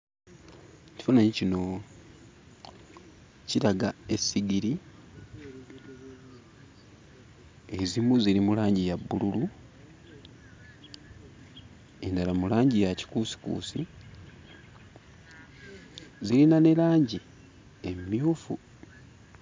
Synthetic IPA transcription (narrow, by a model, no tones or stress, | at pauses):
ci̥fonaɲicino̞ | ciɾaɡae̞sːiɡiɾi | ezimuziɾimulaːɲɟijabːululu | e̞ndalamulaːɲɟijaci̥kusi̥kṵːsi | zilinane̞laːɲɟi | emjuːfu